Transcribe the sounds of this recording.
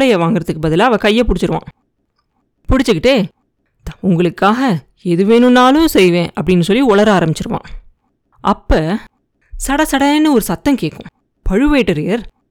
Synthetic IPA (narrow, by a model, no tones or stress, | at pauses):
ɽɐjɐʋaːŋɡɪɾɐðɯkːɯbɐðɪlaːɐʋɐ̃kɐjːɐpʊɽɪt͡ʃːɪɾɯʋã̰ː | pʊɽɪt͡ʃːɯkːɪʈːeː | ʊŋɡɐɭɯkːaːɣɐ | ɛðɯʋeːnɯnːaːlʊ̃sɛjʋẽːʔɐpːɐɽɪnːɯsɔlːiɔɭɐɾaːɾɐmbɪt͡ʃːɪɾɯʋã̰ː | ʔɐpːɐː | sɐɽɐsɐɽɐnːɯɔɾɯsɐt̪ːɐmkeːkːʊ̃ | pɐɻɯʋeːʈːɐɾɪjɐɾ